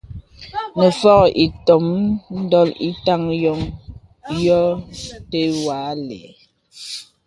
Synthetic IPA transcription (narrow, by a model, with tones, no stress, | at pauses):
nə˨fɔ˦kʔi˨tɔ˨mn̩˦dɔ˦li˦ta˦˨ŋjɔ˦ŋ | jɔ˦te˦wa˨˦lɛ̰˨